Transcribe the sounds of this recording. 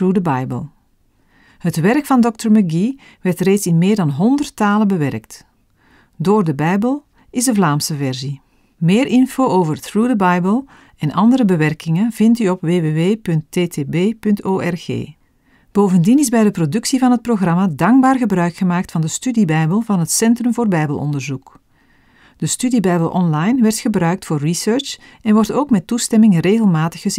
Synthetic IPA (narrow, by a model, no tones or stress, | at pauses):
ɹudəbɑjbə̰lˠ | hətʋɛrkfɑndɔk̚təɹməɡi | ʋɛrtreːtsɪnmeːrdɑnɦɔndərtaːləbəʋɛrkt | doːrdəbɛjbəlˠ | ɪzdəvlaːmsəvɛrzi | meːɾʔɪnfoːoːvərθɹuːdəbɑjbəlˠ | ɛnʔɑ̰ndəɾəbəʋɛrkɪŋənv̥ɪntyɔpʋeːʋeːʋeːpɵntːeːteːbeːpɵntoːɛrɣḛː | b̥oːwvəndinɪzbɛjdəprodʏksivɑnɦət̚proɣrɑmadɑŋɡ̚baːrɣəbrœɥkxəmaːk̚tfɑndəstydibɛjbəlˠvɑnɦətsɛntrɵmvoːrbɛjbəlˠʔɔ̰ndərzuk | d̥əstydibɛjbəlˠʔɔnlɑjnʋɛrtxəbɾœɥk̚tfoːrːisøɹt͡ʃ | ɛnʋɔrtoːkmɛtːustɛmɪŋreːɣəlˠmaːtəxəz